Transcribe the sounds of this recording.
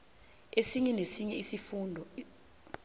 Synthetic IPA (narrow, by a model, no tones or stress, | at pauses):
esiɲɛnesiɲɛisifuːndʱɔ